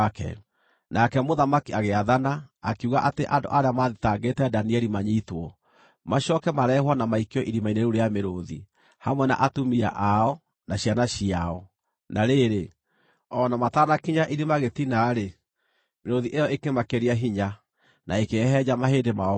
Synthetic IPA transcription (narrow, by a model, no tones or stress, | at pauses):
kɛ̰ | nakɛmoðamakiaɣeaðanaːkiuɣaʔateʔando̰ʔaɾeamaðitaŋɡetɛdaniɛɾimaɲitwɔ | maʃɔkɛmaɾɛhwanamaikeɔʔiɾimaineɾuɾejameɾoði | hamwɛna̰ʔatumia̰ʔaɔ | naɕjanaɕiaɔ | naɾeːɾe | ɔnamataːnakiɲaʔiɾimaɣetinaɾe | meɾoðiʔejɔʔekemakeɾiaɦiɲa | naekeɦɛd͡ʑamaɦeːdema